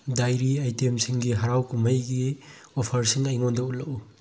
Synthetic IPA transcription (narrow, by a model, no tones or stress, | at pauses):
dajɾiajtemsiŋɡiɦɐɾawkumɐjɡiopʰɐɾsiŋɐjŋondɐutlɐu